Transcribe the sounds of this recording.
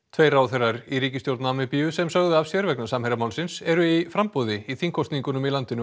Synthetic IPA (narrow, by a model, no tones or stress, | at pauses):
t̪ʰveːjraːwθerːaɾiɾiːcɪst̪jowɾt̪namɪpiʏsɛmsœɣðʏavsɛɾvɛknḁsamhejɾamaːwlsɪnsɛɾʏifɾampɔðɪiθiŋkʰɔst̪niŋkʏnʏmilant̪ɪnʏ